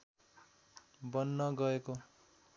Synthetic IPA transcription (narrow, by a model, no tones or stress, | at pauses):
bʌnːʌɡʌeko